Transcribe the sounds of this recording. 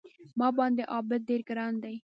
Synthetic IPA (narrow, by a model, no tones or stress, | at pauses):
mɑːbɑ̃ːnd̪eʔɑːbəd̪̚ːeːɾɡəɾɑːnd̪aj